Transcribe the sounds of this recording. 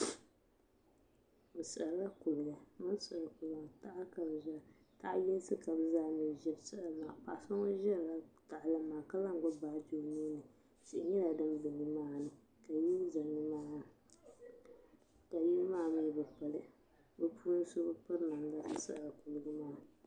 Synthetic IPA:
bɨ˨sɨ˨ʔla˦ku˨lɨ˨ɡa˨mɨ˦sɨ˨ku˨lɡa˨ta˦ʔa˦ka˨bʒa˦˨ | ta˦ʔjɛ˦lsɨ˦ka˨bza˦nɨ˨ʒɛ˦bsɨ˦ʔmaː˨pa˨ʔsa˦ŋo˦ʒɛ˦ɾla˨ta˨ʔlɨ˦maː˨ka˦la˦ŋ˨ɡʊ˦ba˨ʔd͡ʒo˨niː˦nɨ˨ | t͡ʃɪ˨ʔɪ˦ɲɛ˦la˨dɨ˦mbɪ˨ɲi˦maː˦nɨ˨ | ka˨ji˦lza˨nɨ˦maː˦˨ | ka˨ji˦lmaː˦˨mi˦bɨ˨pa˨lɨ˦ | bɨ˨pʰuː˦ɨ˦so˦bɨ˦pɨ˦ɾna˨mla˦sɨ˦sɨ̰˨ʔla˨ku˨lɨ˨ɡɨ˦maː˦˨

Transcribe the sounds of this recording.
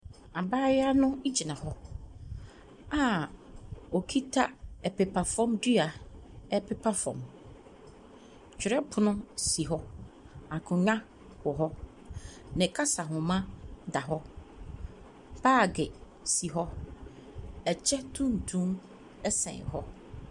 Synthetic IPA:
a˨baː˦ja˦nʊ̃˦d͡ʑi˨nã˨hɔ˦ | a˨ | ɔ˨kʰi˦tʰa˦ɛ˨pɛ˨pʰa˨fɔ̃˦mdɥa˨ɛ˦pʰɛ˦pʰa˦fɔ̰̃˨m | t͡ɕᶣɪ˨ɾɛ˦pʰʊ˦nʊ̃˦si˨ɦɔ˦ | a˨kʰʊ̃˨ɲã˦ | wɔ˨ɦɔ˦ | nɪ̃˨kʰa˦sa˨ɦʊ̃˨mã˦da˨ɦɔ˦ | b̥aː˦˨ɡɪ˨ | si˨ɦɔ˦ | ɛ˨t͡ɕʰɛ˦tʰũ˦n̩˨tʰũ˦m | ɛ˦sɛ̰̃˨ɦɔ˦

